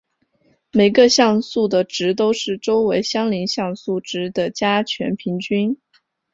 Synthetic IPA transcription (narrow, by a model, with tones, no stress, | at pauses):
me˨˩ɪɡə˧ɕjɑ˥˧ŋsu˥˩d̪ə˩ʈ͡ʂɻ̩˧˥t̪̬o˥ʊʂɻ̩˥˩ʈ͡ʂo˥ʊwe˧˥ɪɕjɑ˥ŋli˧˥nɕjɑ˥˧ŋsu˥˩ʈ͡ʂɻ̩˧˥d̪ə˨t͡ɕja˥t͡ɕʰɥɛ̰˧˥npʰi˧˥ŋt͡ɕy˥n